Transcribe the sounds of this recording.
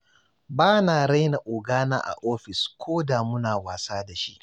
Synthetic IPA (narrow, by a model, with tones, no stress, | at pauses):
baː˦naː˨ɽa˦jna˨ʔʊː˨ɡaː˦na̰ː˦ʔa̰˨ʔoː˦ɸɪ˨skʷʰoː˦da˨mʊ˦naː˨waː˨saː˦da˨ʃi˦ʔ